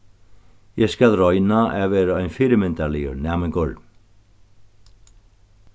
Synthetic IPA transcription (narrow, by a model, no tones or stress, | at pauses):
jɛskalrɔjnaɛvɛːɾaœjnfɪːɾɪmɪnt̪aɾlɛjʏ̰ɾnɛːmɪŋkɔɾ